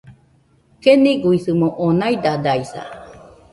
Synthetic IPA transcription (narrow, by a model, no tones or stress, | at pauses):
keniɡuiθɯmoʔonajd̪ad̪aisa̰